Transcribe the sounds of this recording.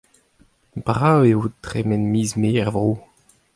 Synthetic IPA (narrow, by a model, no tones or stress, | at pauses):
bʁaweutʁemɛnmiːzmeːɛʁvʁoː